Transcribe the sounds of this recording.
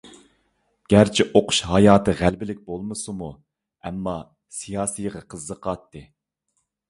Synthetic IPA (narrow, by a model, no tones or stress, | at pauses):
ɡ̥ʲæɾt͡ʃʰiʔoqʰʊ̥ʃɦɑjɑːt̪ʰɨʁælbɪlɪk̚ʲbolˠmɨsumu | ɛmːɑ | sijɑːsijʁɑqʰəzːəqɑt̪ʰːɨ